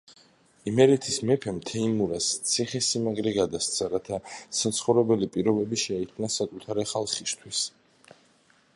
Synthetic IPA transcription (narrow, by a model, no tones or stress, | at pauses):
imɛɾit̪ʰismɛpʰɛmt̪ʰɛimuɾast̪sʰiχɛsimaɡɾɛɡad̪ast̪sʰaɾat̪ʰasat̪sʰχɔvɾɛbɛlipʼiɾɔbɛbiʃɛikʰnasakʼut̪ʰaɾɛχalˠχist̪ʰwis